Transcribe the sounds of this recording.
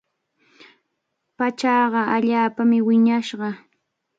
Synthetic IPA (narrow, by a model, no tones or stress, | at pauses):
pat͡ʃɑɢɑaʎaːpamɪwɪɲaʃɢɑ